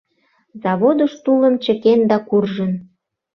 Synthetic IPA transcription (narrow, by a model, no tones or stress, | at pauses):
zɑβod̪əʃt̪ulə̆mt͡ɕə̆kend̪ɑkurʒən